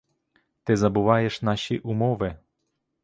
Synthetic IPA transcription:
t̪ɪzɐbʊʋajɛʂnaɕiʔumɔʋɪ

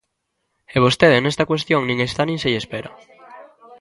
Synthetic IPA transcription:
eβ̞ost̪eðenest̪ɐkwest̪joŋnĩŋest̪anĩŋseʎespeɾɐ

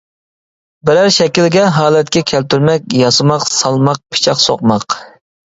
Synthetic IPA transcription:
bɪɾæɾʃɛkʲilɡʲɛɦɑːlˠɛt̪kʲɛkʲʰɛlt̪yɾmɛkʲjɑsɨmɑqsɑlˠmɑq̚pʰɪ̥t͡ʃʰɑqso̰qmɑq

